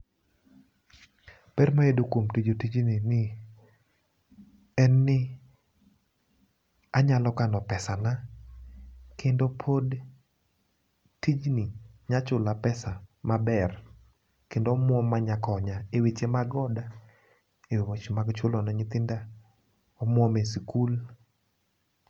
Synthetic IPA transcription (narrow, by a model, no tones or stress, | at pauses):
pɛrmaedokwomtid͡ʒotid͡ʒnɪnɪ | ɛnːɪ | aɲalɔkanɔpɛsana | kʰendopʰod | tid͡ʒnɪɲat͡ʃʊlapɛsamabɛr | kendoɔmwɔmaɲakɔɲaewet͡ʃemaɡɔda | ewewɔt͡ʃmaɡt͡ʃʊlɔnaɲɪt̪ɪnda | ɔmwɔmesikul